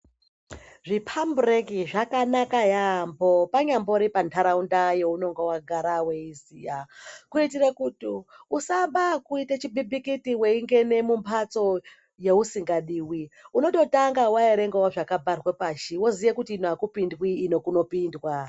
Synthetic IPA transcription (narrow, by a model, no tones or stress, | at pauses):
ʐipʰamburekiʐakanakajambo̞paɲambo̞ɾipantʰaɾaundaje̞uno̞ŋɡewaɡʱaɾawe̞izijakuitirakutiusaɓakuitet͡ʃibibikitiwe̞iŋɡe̞ne̞mumpʰat͡so̞ | je̞usiŋɡaɗiːwiuno̞to̞taŋɡawaeɾe̞ŋɡewaʐakabʱarwepaʃiwozijekutiːnoakupindwiːno̞kuno̞pindwa